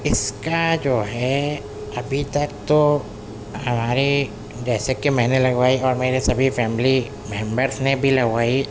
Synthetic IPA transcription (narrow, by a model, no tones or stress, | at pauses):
ɪskad͡ʒoːɦɛ | ɐbʱit̪ɐk̚t̪o | ɦɐmaːɾe | ɖɛːsekːemɛɦnelɐɡʋaːiɔːɾmeːɾesɐbʱifɛːmɪli | mẽːmbəɾsnẽbʱilɐɡʋaːi